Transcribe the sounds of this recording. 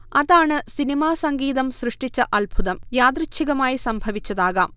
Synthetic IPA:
ɐðaːɳɨsinimaːsɐŋɡiːðɐmsrɨʂʈit͡ɕːɐʔɐlbʱuðɐmjaːd̪rɨt͡ɕʰːiɣɐmaːjisɐmbʱɐʋit͡ɕːɐðaːɣaːm

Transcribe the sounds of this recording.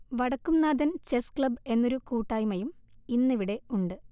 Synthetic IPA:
ʋɐɽɐkːumnaːd̪ɐnt͡ɕeskɭɐbe̞nːo̞ɾukuːʈːaːjumɐjuminːiʋiɽe̞uɳɖɨ

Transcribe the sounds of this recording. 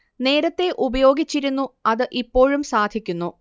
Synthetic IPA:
ne̞ːɾɐt̪ːe̞ʔubɐjo̞ːɡit͡ɕːiɾunːuɐðɨʔipːo̞ːɻumsaːd̪ʱikʲːunːu

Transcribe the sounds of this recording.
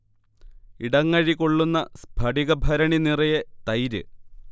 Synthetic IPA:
iɽɐŋːɐɻikoɭːunːɐsbʱɐɽiɣɐbʱɐɾɐɳinirɐjet̪ɐjɾɨ

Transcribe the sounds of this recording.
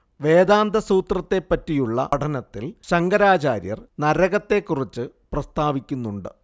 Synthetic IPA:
ʋe̞ːd̪aːnd̪ʱɐsuːt̪rɐt̪ːe̞pːɐtːijuɭːɐ̰ɐʈʰɐnɐt̪ːilɕɐŋɡɐɾaːt͡ɕaːɾjɐ̰rnɐɾɐɣɐt̪ːe̞kːurit͡ɕːɨ | prɐst̪aːʋikʲːunːuɳɖɨ

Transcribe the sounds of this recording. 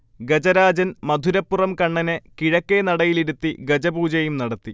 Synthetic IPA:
ɡɐd͡ʑɐɾaːd͡ʑɐnmɐd̪ʱuɾɐpːurɐmkɐɳːɐnɨkiɻɐkːenɐɽɐjiliɾut̪ːiɡɐd͡ʑɐbuːd͡ʑɐjumnɐɽɐt̪ːi

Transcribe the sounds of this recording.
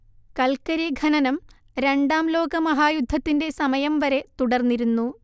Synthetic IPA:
kɐlkɐɾiɡʱɐnɐnɐm | ɾe̞ɳɖaːmlo̞ːɡɐmɐɦaːjud̪ʱːɐt̪ːinde̞sɐmɐjɐmʋɐɾe̞t̪uɽɐrnːiɾunːu

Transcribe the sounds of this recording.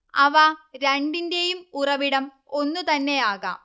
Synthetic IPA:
ɐʋaɾeɳɖindejumurɐʋiɽɐm | o̞nːut̪ɐnːe̞aːɣɐ̰

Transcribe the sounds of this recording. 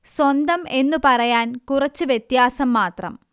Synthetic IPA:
swɐnd̪ɐme̞nːupɐrɐjaːnkurɐt͡ɕːɨʋjet̪jaːsɐmːaːt̪rɐ̰m

